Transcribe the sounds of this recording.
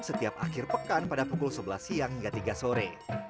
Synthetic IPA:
sət̪iap̚akɪrpəkanpadapukʊlsəbəlahsiaŋhiŋɡat̪iɡasoɾe

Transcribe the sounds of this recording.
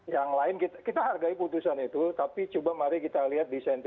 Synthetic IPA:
jaŋlaɪnkit̪akit̪aɦarɡaiput̪usanit̪ut̪apit͡ʃubamaɾikit̪aliɦat̪̚disɛnt̪

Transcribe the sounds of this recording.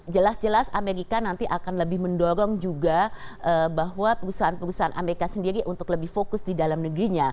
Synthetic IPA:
d͡ʒəlasd͡ʒəlasameɾikanant̪iʔakanləbɪhməndoɾɔŋd͡ʒuɡaʔəbaɦwapəɾusaɦanpəɾusaɦanʔa̰meɾikasəndiɾiʔunt̪ʊkləbɪhfokʊsdidalamnəɡɾiɲa

